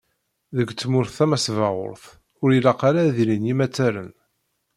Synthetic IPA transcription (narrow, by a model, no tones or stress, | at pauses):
ðəɡt͡sːmʊɾθːæmæsvɑʁʊ̰ɾθ | ʊɾilɑqɑɾaðilinimæt͡sːæɾən